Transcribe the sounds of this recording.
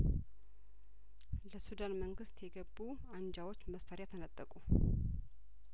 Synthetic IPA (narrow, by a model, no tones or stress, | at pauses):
ləsud̪anməŋɡɨst̪jɛɡəbːu | and͡ʒawot͡ʃːməst̪ʰaɾjat̪ʰənət̪ʼːəkʼu